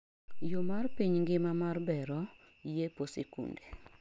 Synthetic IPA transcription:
jomarpiɲŋɡɪmamarbɛɾɔ | jeposekṵnde

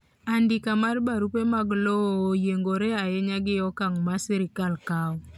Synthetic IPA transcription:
andɪkamaɾbaɾupemaɡlooːjeŋɡoɾeajɛɲaɡɪjɔkaŋmasiɾɪkalkaw

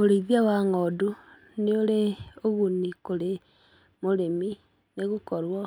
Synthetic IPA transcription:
oɾeiðiawaŋodu | nioleoɣunikole | moɾemi | neɣukɔɾwo

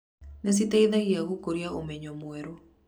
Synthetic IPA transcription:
nɛs̬itɛiðaɣiaɣukoɾiaomeɲɔmweɾo

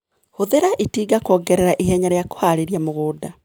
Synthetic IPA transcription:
hoðeɾaʔitiːɡakɔːɡɛɾɛɾaʔiɦɛɲaɾeako̥haɾeɾiamoɣoːda

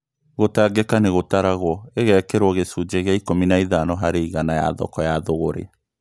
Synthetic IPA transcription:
ɣotaɡekaneɣotaɾaɣwɔeɣɛkeɾwɔɣesud͡ʒeɣeaikominaiðanɔɦaɾeiɣanaja̰ðɔ̰kɔjaðoɣoɾḛa

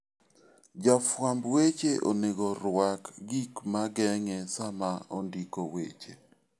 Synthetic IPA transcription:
d͡ʒafwambwet͡ʃeʔoneɡɔɾwakɡikmaɡɛŋɛsamaondikowḛt͡ʃe

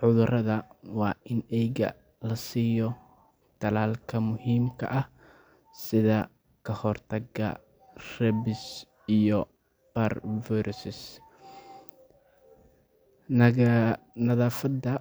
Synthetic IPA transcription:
ħʊðʊrɐðɐwɑːʔɪnɛjɣɐ̰ | lɐsiːjɔ | t̪ʰɐlaːlkʰɐmʊhiːmkʰɐ̰ʔɐh | sɪðɐ | kʰɐhɔrt̪ʰɐɡɐ̰ | rɛbɪs | ijɔ | b̥ɐrvɛɾsɪs | nɐðaːfɐd̪ɐ

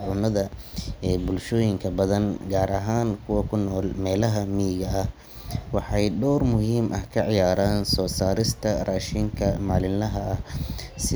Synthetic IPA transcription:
ʕʊnɐðɐɛːbʊlʃɔːjɪŋkʰɐbɐðɐnɡaːɾɐɦaːnkʰʊwɐkʰʊnːɔːlmɛːlɐɦɐmiːɣɐɐh | wɑħɑjɖɔːrmʊɦiːmʔɐhkʰɐʕɪjaːɾaːnsɔːsaːɾɪst̪ʰɐraːʃɪŋkʰɐmaːlɪnɐɦɐɐsɪ

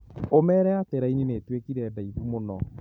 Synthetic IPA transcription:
omɛːɾɛateɾainineːtwekiɾɛdaiðumonɔ

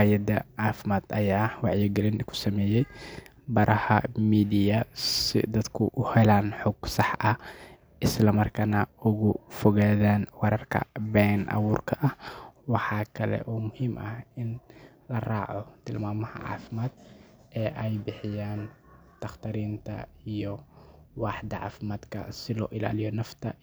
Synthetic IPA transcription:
hajɐd̪ɐʕaːfɪmaːd̪ɐjaːwɑʕjɪɡɛlɪnkʰʊ̥sɐmɛːjɛj | bɐɾʔɐhɐ̰miːd̪ɪjɐsɪ̰d̪ɐd̪kʰʊʔʊhɛlaːnħɔɡsɑħʔɐ | ʔɪslɐmɐrkʰaːnɐʊɣʊfɔɣaːðaːnwɑɾɐrkʰɐ̰bɛːnʔɐ̰wuːrkʰɐʔɐhwɑħɑːkʰɐlɛ̰ʔuːmʊhiːmʔɐhɪn | lɐraːʕɔt̪ʰɪlmaːmɐhɐ̰ʕɑ̰ːfɪmaːd̪ | ɛːʔɛjbɪħɪjaːn | t̪ʰɐχt̪ʰɐɾiːnt̪ʰɐ̰ijɔwɑːħd̪ɐʕɑ̰ːfɪmaːd̪kʰɐ̰sɪlɔ̰ːʔɪla̰ːlɪjɔnɐft̪ʰɐ̰

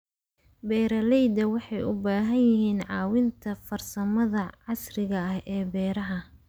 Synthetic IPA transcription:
bɛːɾɐlɛjd̪ɐwɑħɑjʊbaːɦɐnjɪɦiːnʕɑːwɪnt̪ʰɐfɐrsɐmɐðɐʕɑsrɪɣɐɐhɛːbɛːɾɐɦɐ

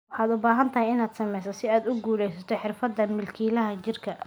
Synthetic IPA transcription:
wɑħɑːd̪ʊbaːɦɐnt̪ʰɐɦɪjɪnaːd̪̥sɐmɛjsɐsɪaːd̪ʊɡuːlɛjsɐt̪ʰɔħɪrfɐd̪ːɐmɪlkʰiːlɐɦɐt͡ʃɪrkʰɐ

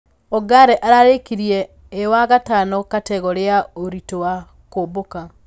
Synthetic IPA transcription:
ɔɡaɾɛʔaɾaɾekiɾjɛː | waɣatanɔkatɛɣɔɾeaoɾitowa | koːboka

